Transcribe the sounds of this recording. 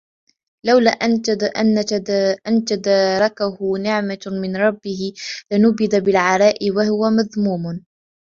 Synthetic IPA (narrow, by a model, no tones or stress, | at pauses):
lawla̰ːʔʔanaʔant̪ad̪ɑːɾˤɑkahʊnɪʕmamɪnɾˤɑbːɪhɪlɪnʊbɪd̪abɪlʕɑɾˤɑːʔɪwahʊwamaðmuːm